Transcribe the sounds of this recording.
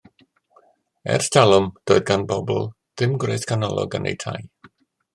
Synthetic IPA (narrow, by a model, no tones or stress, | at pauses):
ɛ̰rsd̥alˠʊmd̥oːɨðɡanbɔbl̩ˠ | ð̥ɪmɡrejθkʰanɔlˠɔ̰ɡənḛjtʰa̰j